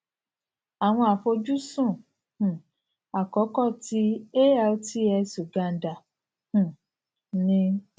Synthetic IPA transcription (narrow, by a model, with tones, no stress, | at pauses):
a˨w̃ɔ̃˧a˨fo˧d͡ʒu˦sũ˦˨ | h̩˨ | a˨kɔ˨˦kɔ˦˨ti˨˦e˦a˧o˦ti˦ɛ˧su˨ɡa˧n̩˨da˨ | ũ˨ | nĩ˧